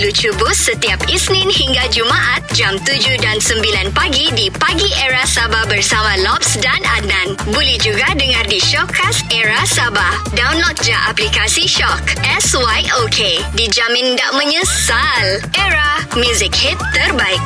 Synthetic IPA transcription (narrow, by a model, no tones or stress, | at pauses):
lut͡ʃubʊsət̪iapisnɪ̃nhiŋɡad͡ʒumaʔat̪̚d͡ʒamt̪ud͡ʒudansəmbilanpaɡidipaɡiʔɛɾasabahbərsamãlɔpsdanadnãnbolɛhd͡ʒuɡadəŋãrdiʃɔkʰːasɛɹasaba | dawnlɔt̪̚d͡ʒaʔaplikasiʃɔkʔɛswajʔokʰedid͡ʒamɪ̃ndaʔmə̃ɲəsalʔeɾamjuzɪk̚hit̪ːərbaɪk̚